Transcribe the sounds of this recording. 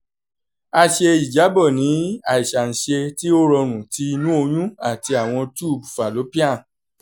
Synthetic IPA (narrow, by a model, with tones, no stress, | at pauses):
a˧ʃe˧i˨d͡ʒa˨˦bɔ˦˨nĩ˨˦a˨i˨ʃa˨n̩˨ʃe˧ti˦o˦ɾɔ˧ɾ̃ũ˨ti˧˦˧nũ˦o˧j̃ũ˦a˦˨ti˧a˨w̃ɔ̃˧tu˦˨bu˨fa˨lo˨˦pi˦a˦˨